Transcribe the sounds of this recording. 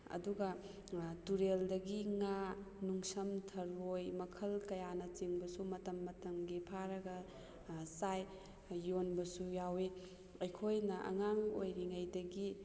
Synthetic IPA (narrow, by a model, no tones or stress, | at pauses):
ɐ̰duɡɐ | tuɾeldɐɡiŋa | nuŋsɐmtʰɐɾojmɐkʰɐlkɐjanɐt͡ʃiŋbɐsumɐtɐmːɐtɐmɡipʰaɾɐɡɐ | saj | jonbɐsujawe | ɐjkʰojnɐʔɐ̰ŋaŋojɾiŋajdɐɡi